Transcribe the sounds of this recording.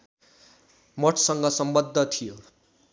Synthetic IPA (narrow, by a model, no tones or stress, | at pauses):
mʌʈʰsʌŋɡʌsʌmbʌd̪ʱːʌt̪ʰijo